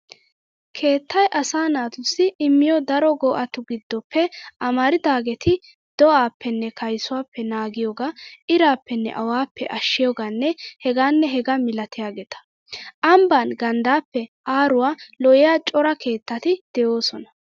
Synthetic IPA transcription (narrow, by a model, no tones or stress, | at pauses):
kʰe̞ːt̪ʰːɐjʔɐsaːnaːt̪ʊsːɪʔɪmːɪjɔd̪ɐɾɔɡɔːʔɐt̪ʊɡɪd̪ːɔpʰːɛʔɐmɐɾɪd̪aːɡɛt̪ʰɪ | d̪̥ɔʔaːpːɛnːɛkʰɐjsʊwaːpːɛnaːɡɪjɔːɡaʔɪɾaːpːɛnːɛ̰ʔɐwaːpːɛʔɐʃːɪjɔːɡanːɛhɛɡaːnːɛɦɛɡɐmɪlɐt̪ɪjaːɡɛt̪ɐ̥ | ʔɐmbanɡɐnd̪aːpːɛʔaːɾʊwaːlɔʔɪjaːt͡ʃʼɔɾɐkʰe̞ːt̪ːɐt̪ɪd̪̥ɛjoːsɔnɐ